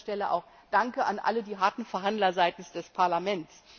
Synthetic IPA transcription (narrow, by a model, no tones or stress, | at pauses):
ʃtɛləʔa̰ʊx | d̥aŋkəʔanʔa̰lədiːɦaɐtn̩fɛɐɦandlɐzaɪtn̩sd̥ɛspʰaɐlamɛntt͡s